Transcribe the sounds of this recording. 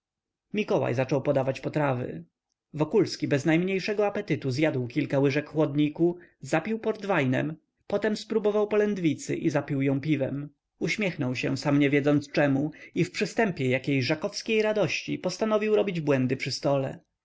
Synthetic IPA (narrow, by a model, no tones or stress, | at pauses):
mʲikɔwa̰jzat͡ʂɔwpɔd̪avat͡ɕpɔt̪ɾavɘ̰ | vɔkulskʲibɛznajmɲejʂɛɡɔapɛt̪ɘt̪uzjad̪wkʲilkawɘʐɛkxwɔd̪ɲikuzapʲiwpɔɾd̪vajnɛ̰m | pɔt̪ɛmspɾubɔvawpɔlɛnd̪vʲit̪sɘ̰ʔizapʲiwjɔ̃w̃pʲivɛ̰m | uɕmʲjɛxnɔwɕɛsamɲɛvʲjɛd̪zɔnt̪st͡ʂɛmuifpʂɘst̪ɛmpʲjɛjakʲejʐakɔfskʲejɾad̪ɔɕt͡ɕḭpɔst̪anɔvʲiwɾɔbʲid͡ʑbwɛnd̪ɘpʂɘst̪ɔlɛ̰